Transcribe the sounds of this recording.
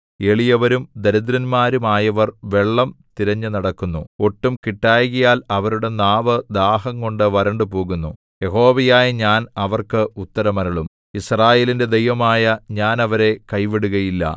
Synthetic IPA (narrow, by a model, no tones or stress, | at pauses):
e̞ɭijɐʋɐɾumd̪ɐɾɐd̪ɾɐnmaːɾumaːjɐʋɐrʋe̞ɭːɐmt̪iɾɐɲːɨnɐɽɐkːunːuo̞ʈːumkiʈːaːjɣijaːlɐʋɐɾuɽe̞naːʋɐd̪aːɦɐŋko̞ɳɖɨʋɐɾɐɳɖɨpo̞ːɣunːu | je̞ɦo̞ːʋɐjaːjɐɲaːnɐʋɐrkɨut̪ːɐɾɐmɐɾɐɭum | israːje̞ːlinde̞d̪ejʋɐmaːjɐɲaːnɐʋɐɾe̞kɐjʋiɽuɣɐjilːɐ̰